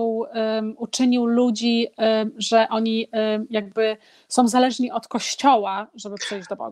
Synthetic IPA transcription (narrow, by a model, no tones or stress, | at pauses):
wut͡ʂɘɲiwlud͡ʑi | ʐɛʔɔɲijaɡ̚bɘ | sɔ̃w̃zalɛʐɲiʔɔt̪kɔɕt͡ɕɔwaʐɛbɘpʂɛjd͡ʑd̪ɔbɔ̰